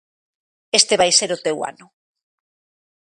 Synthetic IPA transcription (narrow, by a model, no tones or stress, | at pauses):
est̪eβajseɾʊt̪ewa̰nʊ